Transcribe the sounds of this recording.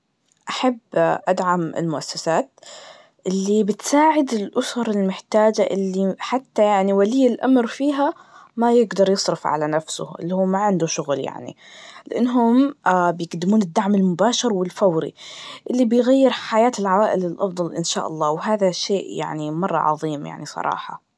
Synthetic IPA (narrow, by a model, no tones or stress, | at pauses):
ʔaħabːʔad̪ʕamɪ̰lmʊʔasːasaːt̪ | ʔɪlːibɪt̪saːʕɪd̪ɪlʔʊsɑɾˤɪlmɪħt̪aːd͡ʒaʔɪlːiħat̪ːajaʕniwalɪːɪlʔamɾfiːɦamajɪɡd̪ɑɾˤjɨsˤɾɑfʕa̰lanafsʊ̰ʔɪ̰lːihuːaʕɪnd̪ʊʃʊɣlja̰ʕnḭ | lɪʔɪnːɦʊmbjɪɡd̪ːɪmuːnɪd̪ːaʕmɪlmʊbaːʃɪɾwɪlfawɾḭʔɪlːibɪjɣajːɪɾħajaːt̪ɪlʕawaːʔɪlɪlʔɑfd̪ˤɑlʔɪnʃa̰ːʔɑ̰lˤːɑːwɦaːðaʃeːʔja̰ʕnimɑrˤːɑ̰ʕɑ̰ðˤiːmja̰ʕnisˤɑ̰ɾˤɑ̰ːħɑ̰